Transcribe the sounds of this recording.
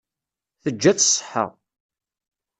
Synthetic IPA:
θəd͡ʒːæt͡sːsˤːə̥ħə̰ʁ

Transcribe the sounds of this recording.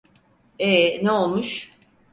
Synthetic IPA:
eneolˠmuʃ

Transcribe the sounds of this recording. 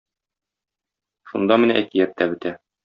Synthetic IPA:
ʃund̪ɑmɘ̆næʔækijæp̚t̪ːæbɘ̆t̪æ

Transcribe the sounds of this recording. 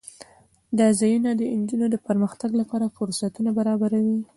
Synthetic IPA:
d̪ɑzɑjunad̪əɪnd͡ʒunod̪əpəɾməxt̪aɡlapɑɾafʊɾsat̪unabaɾɑbaɾawi

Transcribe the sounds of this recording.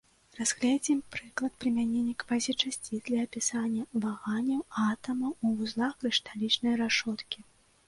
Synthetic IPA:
raz̥ɣlʲad͡zʲimpɾɨklˠɐt̪̚pɾɨmʲanʲɛnʲːɐkpazʲit͡ʂasʲt͡sʲid̪lʲɐːpʲisanʲːɐvaɣanʲːɐwat̪ɐmɐwuvuzlˠaxkɾɨʂt̪alʲit͡ʂnɐjɾaʂɔt̪kʲi

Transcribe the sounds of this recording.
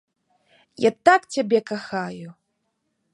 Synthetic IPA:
ja̰t̪akt͡sʲabʲɛkaxaju

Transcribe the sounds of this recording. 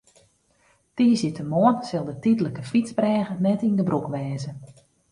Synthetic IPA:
tiːzjitʰəmoənsɪlˠdətidləkəfitsbrɛːɣənɛtindəbrukʋɛːzə

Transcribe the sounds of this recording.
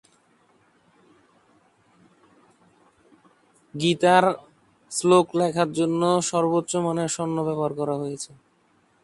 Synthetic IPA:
ɡit̪aɾ | sloklɛkʰaɾd͡ʑonːoʃɔɾbotːɕomaneɾʃonːobɛboaɾkɔɾaɦojet͡ɕʰe

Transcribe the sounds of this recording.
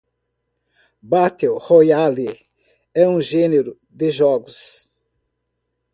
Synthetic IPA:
bat̪ewhojali | ɛũʒẽneɾʊ | d̪ɪʒɔɡʊs

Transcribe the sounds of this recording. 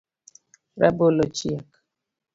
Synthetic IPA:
ɾɛ̰bolot͡ʃiak

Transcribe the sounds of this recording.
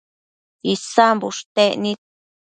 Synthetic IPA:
isambuʂt̪enĩ

